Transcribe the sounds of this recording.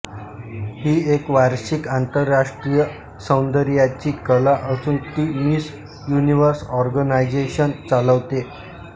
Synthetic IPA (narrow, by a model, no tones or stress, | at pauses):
hiːekʋaɾɕikant̪əɾːaʂʈɾijə | sə̃w̃nd̪əɾjat͡ɕiːkəlaʔəsuːnt̪iːmis | juniʋəɾsɔɾɡənajd͡ʑeɕənt͡saləʋt̪e